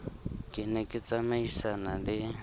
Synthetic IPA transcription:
kʼɪnekʼɪt͡sʼamaisanalɪ

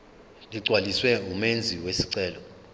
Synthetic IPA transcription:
liɡ͡ǀʱwaliswɛumend͡zʱiwesiǀɛːlɔ

